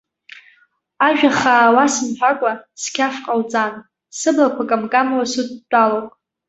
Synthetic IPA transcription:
aʒᶣaχaːwasɨnħʷᶣakʷʼaskʲʰafqʼawt͡sʼan | sɨblakʷʰakʼamkʼamawasut̚ʰʼdʼalokʼ

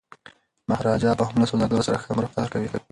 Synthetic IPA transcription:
mahɾɑd͡ʒɑpəhʊmlasolaɡ̪aɾsaɾaxəmɾɪxt̪ɑɾkawi

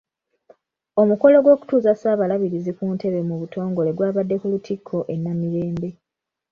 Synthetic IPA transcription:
o̞muko̞lo̞ɡwo̞ːku̥tuːzasaːβalaβiɾizikuːnte̞βe̞muβuto̞ːŋɡo̞le̞ɡwaːβadːe̞kulutʰikʰːo̞ʔe̞nːamiɾe̞ːmbe̞

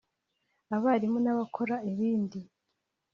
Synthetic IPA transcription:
aβaɾimunaβakʰo̞ɾaeβiːndi

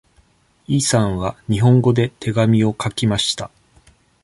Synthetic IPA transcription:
iːsãɰ̃βaɲ̟iɦõ̞ŋɡo̞d̪e̞t̪ʰe̞ɡamʲio̞kakʲimaɕi̥t̪a

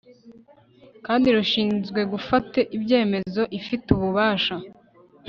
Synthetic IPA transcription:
kaːndiɾuʃiːnzɡwe̞ɡufate̞ʔibɟe̞ːme̞zo̞ʔifituβuβaːʃa

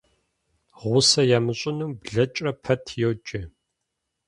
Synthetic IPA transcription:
ʁʷʊsɐjaːmɨɕʼɪnɨmbɮɐt͡ʃʼɐpʰɐtʰjowt͡ʃʼɪ

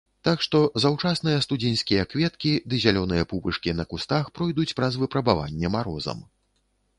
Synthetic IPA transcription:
t̪akʂt̪ɔzawt͡ʂasnɨjɐst̪ud͡zʲinʲskʲijɐkvʲɛt̪kʲid̪ɨzʲalʲɔnɨjɐpubɨʂkʲinɐkust̪axpɾɔjd̪ut͡sʲpɾɐzvɨpɾɐbava̰nʲːɛmaɾɔ̰zɐ̰m

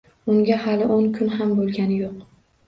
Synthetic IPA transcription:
ʊŋɡʲahalɪʔoŋkʰʊnɦambolˠɡʲanɪjoq

